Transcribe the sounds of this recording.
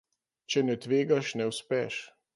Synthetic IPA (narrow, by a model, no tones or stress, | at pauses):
t͡ʃɛnɛt̪ʋeːɡaʃnɛwspɛʃ